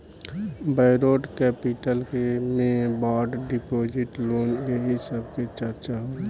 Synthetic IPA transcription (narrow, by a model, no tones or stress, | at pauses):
bəɪɾoːʈkɛːpiʈəlkemẽbaːɖɖipoːd͡ʒɪʈloːnjeɦisəbket͡ʃəɾt͡ʃaɦo